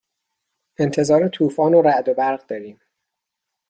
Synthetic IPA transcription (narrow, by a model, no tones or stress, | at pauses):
ʔe̞nt̪ʰe̞zɒːɾet̪ʰuːfɒːnoɾæʔd̪obæɾɣd̪ɒːɾiːm